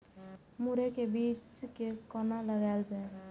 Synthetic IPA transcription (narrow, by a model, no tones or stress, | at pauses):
muɾekebit͡ʃkekɔnaləɡaeld͡ʒaj